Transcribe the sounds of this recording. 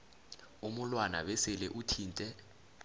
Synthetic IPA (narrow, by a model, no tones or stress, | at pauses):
umulwana̰ɓɛsɛlɛʔutʰiːntʼɛ